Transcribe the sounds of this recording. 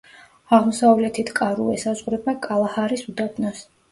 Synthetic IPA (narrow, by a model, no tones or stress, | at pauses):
aʁmɔsavlɛt̪ʰit̪ʰkʼaɾṵɛsazʁuɾɛbakʼalˠahaɾisud̪abʰnɔs